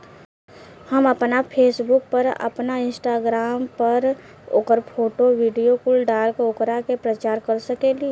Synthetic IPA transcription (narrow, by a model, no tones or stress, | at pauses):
həməpnapʰeːsbʊk̚pəɾə̰pnaɪ̃nsʈaːɡɾaːmpəɾ | o̰ːkəɾpʰoːʈoʋiːɖijokʊlɖaːlkeʊkɾakepɾət͡ʃaːɾkəɾsəkeːlie